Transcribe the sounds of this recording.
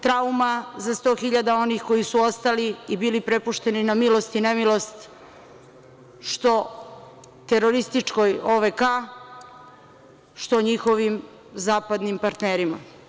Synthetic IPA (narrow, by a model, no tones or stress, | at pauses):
t̪ɾaumazast̪o̞ːxiʎad̪ao̞nixko̞isuo̞st̪aliibilipɾe̞puʃt̪e̞ninamilo̞st̪inemilo̞st̪ | ʃt̪o̞ | t̪eɾo̞ɾist̪it͡ʃko̞joʋeka | ʃt̪o̞ɲixo̞ʋim | zaːpad̪nimpaɾt̪neːɾima̰